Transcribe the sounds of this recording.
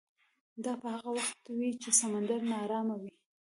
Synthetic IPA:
d̪ɑpəhaɣawaxt̪̚wit͡ʃesamand̪aɾnɑɾɑmawi

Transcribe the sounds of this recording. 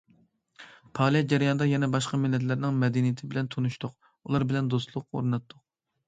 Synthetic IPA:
pʰɑːlˠjɛd͡ʒɛɾjɑnd̪ɑjɛnɛbɑʃqɑmɪlːɛt̪̬lɪɾnɪŋmɛd̪ɛnijt̪ʰɪbɪlɛnt̪ʰonuʃt̪ʊq | ṵlˠɑɾbɪlɛnd̪ost̪lˠʊqo̰ɾnɑt̪ʰːʊq̚

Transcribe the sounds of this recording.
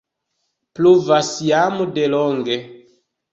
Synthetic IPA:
pluvasjamudeloŋɡe

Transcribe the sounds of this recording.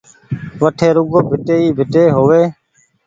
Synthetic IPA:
ʋəʈʰeːɾʊɡoːbʱɪʈeːiːbʱɪʈeːɦoːʋeː

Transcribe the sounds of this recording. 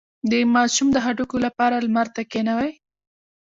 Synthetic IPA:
d̪əmɑʃumd̪əɦaʈukolapɑɾalmaɾt̪akenawaj

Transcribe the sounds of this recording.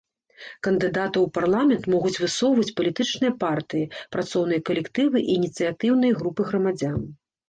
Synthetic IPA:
kɐnd̪ɨd̪at̪ɐwparlˠamʲɛnt̪mɔɣut͡sʲvɨsɔwvɐt͡sʲpɐlʲit̪ɨt͡ʂnɨjɐpart̪ɨjipɾat̪sɔwn̪ɨjɐkɐlʲɛkt̪ɨvɨʔinʲit̪sɨjat̪ɨwnɨjɐɣɾupɨɣɾɐmad͡zʲan

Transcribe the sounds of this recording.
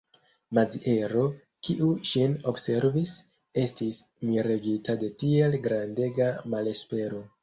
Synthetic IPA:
mad͡ziʔe̞ɾo̞ | kiʔuʃinobse̞ɾvis | e̞stis | miɾeɡitade̞tie̞lɡɾande̞ɡamale̞spe̞ɾo̞

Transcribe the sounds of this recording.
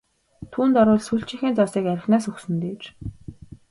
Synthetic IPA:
t̪ʰuːnt̪ɔɾʊːɮsuɬʲt͡ɕɪ̆ŋxʲiːnt͡sɔsiːkæɾʲɪ̆xnæːsuxsɘ̆nt̪eːt͡ɕ

